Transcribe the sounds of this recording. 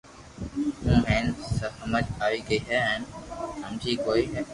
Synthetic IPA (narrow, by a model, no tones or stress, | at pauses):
ɦũːmɛ̃ːnsəəməd͡ʒaːiːɡəiːɦɛːɛnhəmd͡ʒiːkoːiːɦɛː